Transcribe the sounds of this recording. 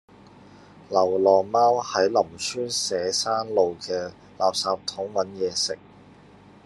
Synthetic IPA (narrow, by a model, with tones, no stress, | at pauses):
lɐ˨˩wlɔː˨˩maː˥whɐ˨˥jlɐ˨˩msʰyː˥nsɛː˨˥saː˥nlo˨wkɛː˧ | laː˨p̚saː˨˧p̚t̪ʰʊ˨˥ŋwɐ˨˥njɛː˨˧sɪ˨k̚